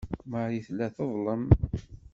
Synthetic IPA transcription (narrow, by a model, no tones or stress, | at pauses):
maɾiθlːæθəðˤləm